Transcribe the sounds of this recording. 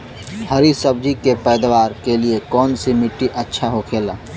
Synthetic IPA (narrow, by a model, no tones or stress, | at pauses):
hɐɾisɐb̚d͡ʒikepɛːd̪ʋaːɾkeliekɔːnsimɪʈːiʔɐtːʃʰaɦokʰeːlaː